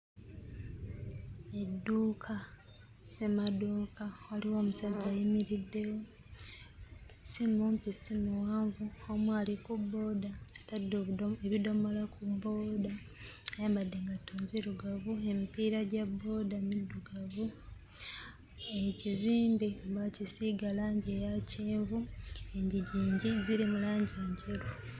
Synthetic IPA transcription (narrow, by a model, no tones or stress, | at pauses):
e̞dːuːkʰa | se̞madokawaliwo̞ːmusaɟːajimiɾidːe̞wo̞ | simumpisimuwaːɱvuomwalikubːo̞daːtadːoβeβido̞molakubo̞ːda | ajaːmbadːeŋɡatoːnziɾuɡaβue̞mipiɾaɟabːo̞ːdamidːuɡaβu | e̞ciziːmbiβacisiɡalaːɲɟejaciːɱvueɲɟiɟiːɲɟiziɾimulaːɲɟieːɲɟeɾo